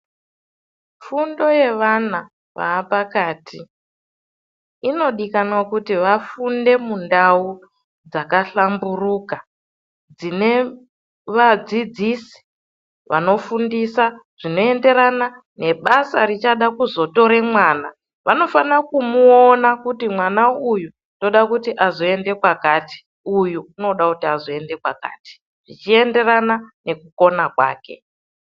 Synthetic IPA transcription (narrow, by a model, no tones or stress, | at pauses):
fundo̞je̞ʋana | ʋa̰ːpakaːtʰi | ino̞ɗikanwakutiʋafunde̞mundau | d͡zakaɬamburuːka | d͡zine̞ | ʋad͡zid͡zisi̥ | ʋa̰no̞fundisaʐ̥ino̞e̞nde̞ɾana | ne̞ɓasarit͡ʃaɗakuzo̞to̞ɾemwaːna | ʋano̞fanakumuonakutimwanauju | ndo̞ɗakutiʔazoe̞nde̞kwakaːti̥ | ujuuno̞ɗakutiazoe̞nde̞kwa̰ka̰ːti̥ | ʐit͡ʃie̞nde̞ranane̞kuko̞nakwa̰ːke̞̰